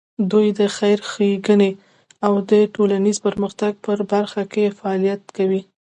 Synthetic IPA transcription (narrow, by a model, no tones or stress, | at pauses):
d̪ujd̪əxajɾxeɡəne | awd̪əʈolanizpəɾməxt̪aɡ̚pəɾbaɾxakefaɑlijat̪kawi